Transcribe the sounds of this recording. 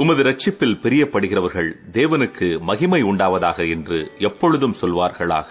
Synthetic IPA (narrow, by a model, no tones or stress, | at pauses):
ʊmɐðɯɾɐt͡ʃːɪpːɪlpɛɾɪjɐpːɐɽɯɣɪrɐʋɐɾɣɐɭd̪eːʋɐnɯkʰːɯmɐɣɪmɐɪʊɳɖaːʋɐðaːɣɐɛndrɯɛpːɔɻɯðɯmsɔlʋaːɾɣɐɭa̰ːɣɐ